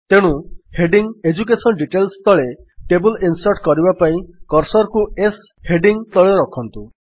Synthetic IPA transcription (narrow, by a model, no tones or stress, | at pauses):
t̪eɽ̃uheɖiŋed͡ʒukesɔnɖiʈelst̪ʰɔɭe | ʈebulinsɔʈkɔɾibapaĩkɔɾsɔɾɔkues | heɖiŋt̪ɔɭeɾɔkʰɔnt̪u